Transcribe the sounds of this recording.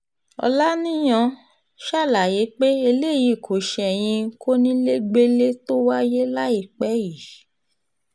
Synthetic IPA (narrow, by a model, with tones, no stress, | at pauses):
ɔ̰˧la˦nĩ˦j̃ã˧ | ʃa˦˨la˨je˨˦k͡pe˦e˧le˦˨ji˨kʰo˨ʃɛ˧ɛ˨j̃ĩ˧ko˦nĩ˦le˦ɡ͡be˦le˦to˦wa˦je˦la˦i˦˨k͡pɛ˨˦ji˨